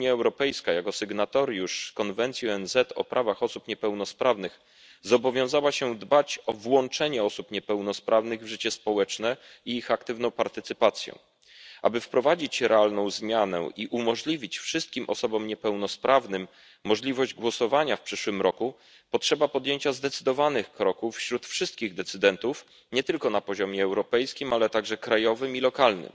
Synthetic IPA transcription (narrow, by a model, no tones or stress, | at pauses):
uɲjaɛwɾɔpɛjskajakɔsɛɡnat̪ɔɾjuʂkɔnvɛnt̪sjiɛnzɛt̪ʰɔ̰pɾʔavaxɔsupɲɛpɛwnɔspɾavnɘx | zɔbɔvʲjɔ̃w̃zawaɕɛd̪bat͡ɕɔvwɔnt͡ʂɛɲɛɔsupɲɛpɛwnɔspɾʔavn̪ɘɣvʐɘt͡ɕɛspɔwɛt͡ʂnɛ | iixakt̪ɘvnɔ̃w̃paɾt̪ɘt̪sɘpat̪sʲjɔ̰̃ | ʔa̰bɘfpɾɔvad͡ʑit͡ɕɾɛalnɔ̃w̃zmʲjanɛ̰ʔiʔumɔʐlʲivʲit͡ɕfʂɘst̪̚kʲimʔɔ̰sɔbɔmɲɛpɛwnɔspɾʔavnɘmː | ɔʐlʲivɔʑd͡ʑɡwɔsɔvaɲafpʂɘʂwɘmɾɔku | pɔtʂɛbapɔd̪ʲjeɲt͡ɕazd̪ɛt̪sɘd̪ɔvanɘxkɾɔkufːɕɾut̪fʂɘst̪̚kʲiɣd̪ɛt̪sɘd̪ɛnt̪uf | ɲɛt̪ɘlkɔnapɔʑɔmʲjɛːwɾɔpɛjskʲimalɛt̪aɡʐɛkɾajɔvɘmilɔkalnɘ̰m